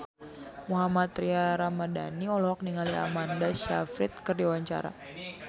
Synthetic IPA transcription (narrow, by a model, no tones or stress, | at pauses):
muɦamat̪ɾiaɾamada̰niɔlɔɦɔk̚niŋalia̰mandaʃa̰fɾɪt̪̚kɨrdiwaɲt͡ʃa̰ɾa̰